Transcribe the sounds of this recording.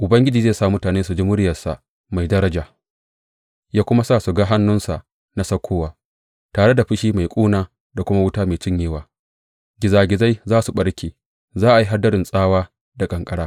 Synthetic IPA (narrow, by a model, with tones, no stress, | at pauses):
ʔʊ˨bɐ˦ŋɡʲɪ˦d͡ʒiː˨zeː˦˨sa˦˨mʊ˦taː˨neː˦su˨d͡ʒɪ˦mʊ˦ɽɪ˦jɐ˨sa̰˨ | ma˨jdɐ˦ɾɐ˦d͡ʒaː˨ | jaː˦kʷʊ˦ma˦saː˦˨su˨ɡaː˦ɦa˦nːʊ˦nsa˨ʔ | na˦sɐ˦kʷʰːoː˦waː˨ | taː˨ɽe˦da˨ɸɪ˦ʃiː˦ma˨jkʷʼuː˦naː˦ | da˨kʷʊ˦ma˦wʊ˦taː˦meː˨t͡ʃɪ˦ɲjeː˦waː˨ | ɡʲɪ˨zaː˨ɡʲɪ˨za˦jzaː˦su˨ɓɐ˦ɽkʲeː˨ | zaː˦ʔa˨ji˦ɦa˦dːɐ˦ɾɪ˨nsʼaː˦waː˦ | da˨kʼɐ˨ŋkʼɐ˦ɽaː˦